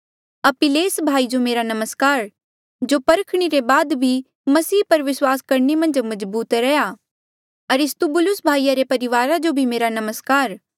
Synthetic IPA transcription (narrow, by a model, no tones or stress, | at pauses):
ɐpɪleːsbʱaːid͡ʒomeːɾanɐməskaːɾ | d͡ʒopɐɾəkʰɽ̃iɾebaːd̪bʱi | mɐsiːpɐɾʋɪswaːskɐɾɳemɐ̃nd͡ʒmɐzbuːt̪ɾɛja | ɐɾɪst̪ubʊlʊsbʱaːijaɾepɐɾɪʋaːɾad͡ʒobʱimeːɾanɐməskaːɾ